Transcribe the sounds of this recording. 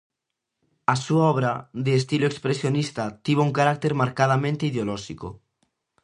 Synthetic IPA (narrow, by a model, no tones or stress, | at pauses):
asuaɔβ̞ɾaðeːst̪iloekspɾesjonist̪at̪iβouŋkaɾak̚t̪eɾmaɾkað̞amẽnt̪eiðeolɔʃiko̰